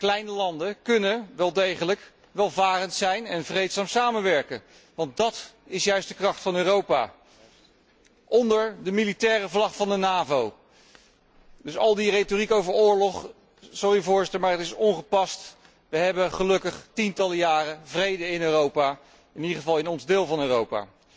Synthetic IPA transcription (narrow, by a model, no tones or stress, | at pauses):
klɛjnəlɑndəkɵnəʋɛlˠdejχələk | ʋɛlˠvaːrəntsɛjnɛnvrejtsaːmsaːmənʋɛɹkə | ʋɑnt̚dɑtɪsjœɥstd̥əkrɑχtfɑnøːrowpa̰ | ʔɔndəɹdəmilitɛːrəvlɑχfɑndənaːvow | dɵsɑ̰lˠdiretorikowvəɹʊːɹlɔχ | sʊrivʊːɹzɪtəɹmaːɹɦətɪsɔnχəpɑst | ʋəɦɛbəχəlɵkəχtintɑləjaːrəvrejdəɪnøːrowpaː | ɪnidəχəvɑlˠɪnɔnzdɪːlˠvɑnøːrowpa̰ː